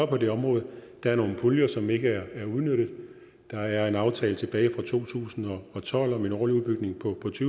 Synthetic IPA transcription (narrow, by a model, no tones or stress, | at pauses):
ɒpʰɒ̽d̥e̝ɒ̽mʁɔ̽ːð̩ˠd̥ɑ̈æɐno̝ːn̩pʰuljɐsɒ̽me̝ɡ̥əæɐæɐuð̞ˠnøɾ̥ð̩ˠ | d̥ɑ̈æɐe̝nɑ̈ʊt͡sʰɛːlət͡sʰe̝b̥ɛːɪfʁɑ̈t͡sʰo̝̰ːt͡sʰṵːsn̩ɒ̽ɒ̽t͡sʰɒ̽l̰ɒ̽me̝nɒːliuðˠbyɡ̥ne̝ŋpʰɒ̽pʰɒ̽t͡sʰyː